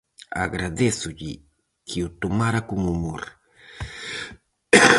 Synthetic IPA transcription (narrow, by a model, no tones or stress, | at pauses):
a̰ɣɾaðesuʎi | kʰiut̪omaɾakuŋumoɾ